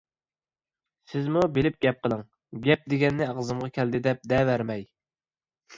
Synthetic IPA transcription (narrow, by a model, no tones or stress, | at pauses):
sɪzmubelɪp̚ɡʲɛp̚qəlˠɨŋ | ɡʲɛp̚d̪eɡʲɛnːɪɑʁzɨmʁɑkʲʰɛld̪ɪd̪ɛp̚d̪ɛvæɾmɛj